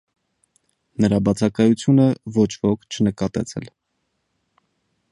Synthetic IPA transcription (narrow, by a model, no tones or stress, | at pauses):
nəɾɑbɑt͡sʰɑkɑjut͡sʰjunəvɔt͡ʃʰvɔkʰt͡ʃʰənəkɑt̪ɛ̰t͡sʰɛ̰l